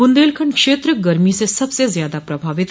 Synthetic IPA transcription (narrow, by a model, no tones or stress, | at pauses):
und̪elkʰəɳkʂeːt̪ɾəɡəɾmisesɐbsezjaːd̪apɾɐbʱaːʋɪt̪